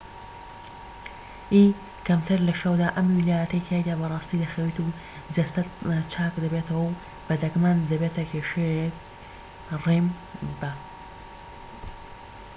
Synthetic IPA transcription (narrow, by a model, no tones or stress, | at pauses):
ʔiː | kʰɐmt̪ʰɨɾlɐʃɐwd̪aːʔɐmwilaːjɐt̪ɐjt̪ʰajd̪aːbɐrˤɑːst̪iːd̪ɐxɐwit̪u | zɐst̪ɐt̪t͡ʃʰaːkd̪ɐbet̪ʰɐwɐw | b̥ɐd̪ɐkmaːnd̪ɐbet̪ʰɐkʰeʃejk̚ | rem | bɐ